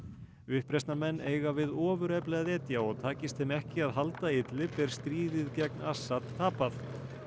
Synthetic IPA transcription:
ʏhpɾest̪namɛnːeːjɣavɪðɔːvʏɾɛplɛɣaðɛːt̪jaɔɣt̪ʰaːcɪst̪hɪmɛhcɪaðɦalt̪aɪt̪lɪpɛɾ̥st̪ɾiːðɪðcɛk̚nasːat̪t̪ʰaːpaθ

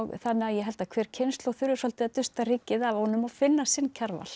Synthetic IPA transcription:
ɣθanːɪajɛɦɛlt̪akʰvɛːɾ̥cʰenst̪lɔθjʏɾʏsɔlt̪ɪaðt̪ʏst̪ariːcɪðavɔnʏmafɪnːasɪncʰaɾva̰l̥

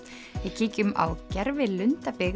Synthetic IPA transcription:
vɪðcʰiːcʏma̰wcɛɾvɪðlʏnt̪apɪɣ

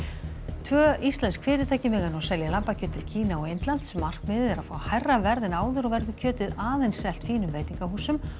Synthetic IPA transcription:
t̪ʰvœːist̪lɛnskʰfɪːɾɪt̪ʰaːjcɪmɪɣanɔsɛljalampacʰœːt̪ʰːɪl̥cʰiːnaɔɣejnt̪lan̥t̪sɛmːar̥kmɪːðɪðɛɾaðfaːwhajrːavɛɾðɪnaːwðʏɾɔɣvɛɾðʏcʰœːt̪ɪðaːðejnsːɛl̥t̪fiːnʏmveːjt̪iŋkaɦuːsʏm

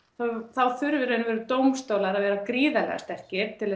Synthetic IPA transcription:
θaθawθʏɾvɪɾɛnʏvɛːɾʏt̪owmst̪oːwlaɾaðvɛːɾakɾiːðalɛ̰ɣa̰st̪ɛhcɪ̥t̪ʰɪlɛ

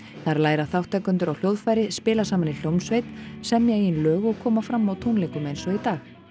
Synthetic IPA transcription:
θaɾlaːjɾaθawht̪ɛkʏnt̪ʏɾawl̥jowðfaːjɾɪspɪːlasaːmanil̥jowmsvejt̪sɛmːjaɣinlœːɣɔɣkʰɔːmafɾamːawt̪ʰuwnlejŋkʏmejnsɔit̪aːx

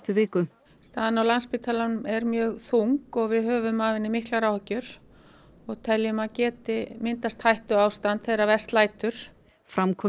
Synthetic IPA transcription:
t̪ʏvɪːkʏ | st̪aːðanawlanspɪːt̪ʰalanmɛɾmjœːɣθuŋkɔɣvɪðɦœːvʏmavɪnːɪmihklaɾaːwhcʏɾ̥ | ɔɣt̪ʰɛljʏmaðcɛːt̪ɪmɪnt̪ast̪hajht̪ʏaːwst̪ant̪θejɾavɛst̪laːjt̪ʏɾ̥ | fɾamkʰɔ

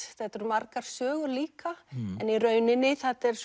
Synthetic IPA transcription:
θɛt̪ʏɾmaɾkaɾ̥sœːɣʏɾliːkaɛ̰niɾœːɥnɪnːɪθat̪ɛɾ̥s

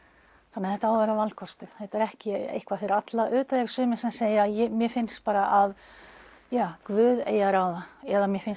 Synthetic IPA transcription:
θanːaðθɛht̪aaːwvɛɾavalkʰɔst̪ʏθɛt̪aɾɛhcɪḛjhkvafɪɾɪɾat̪laʔʏːt̪aðɛɾ̥sʏːmɪnsɛmseːjajɛmjɛfɪnspaːɾaʔav | jaːkvʏːðeːjaɾaːwðaɛðamjɛfɪns

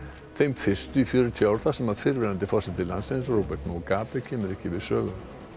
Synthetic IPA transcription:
θejmfɪr̥st̪ʏifjœːɾʏt̪ʰiawɾ̥θasɛmaðfɪɾvɛɾant̪ɪfɔr̥sɛt̪ɪlansensɾowpɛɾt̪nɔɔkaːpɛcʰɛːmʏɾɛhcɪvɪðsœːɣʏm

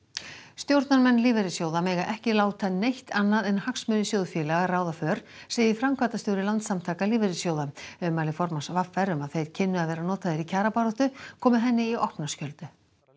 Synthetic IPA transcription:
st̪jowɾt̪naɾmɛnːliːvɛɾɪsjowðameːjɣaʔɛhcɪlaːwt̪ʰanːejht̪anːaðɛnhaksmʏnʏsjowðfjɛːlɛɣaraːwðafœːɾ̥seːjðɪfɾamkʰvaːt̪ast̪owɾɪlant̪samt̪ʰaːkaliːvɛɾɪsjowðaɛmaːlɪfɔɾmasvafɛɾʏmaðθejɾ̥cʰɪnːʏaðvɛːɾanɔːt̪aðɪɾicʰaːɾapaɾɔht̪ʏkʰɔːmʏɦɛnːɪiɔhpnaskcœlt̪ʏ

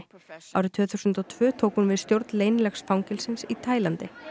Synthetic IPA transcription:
a̰wɾɪt̪ʰʏːθuwsʏnt̪ɔt̪ʰvʏːt̪ʰoːwkhunvɪðst̪jowɾt̪nleːjnlɛxsfawŋcɪlsɪnsit̪ʰaːjlant̪ɪ

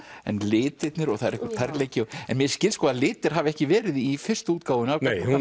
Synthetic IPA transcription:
ɛ̰nlɪːt̪ɪt̪nɪɾɔɣθaðɛɾɛhkvɾt̪ʰaɾleːjcɪɔɛnmjɛɾ̥scɪlskɔaðlɪːt̪ɪɾ̥ɦavɛhcɪvɛːɾɪðifɪr̥st̪uːt̪kaːwʏnaːk̪ajh

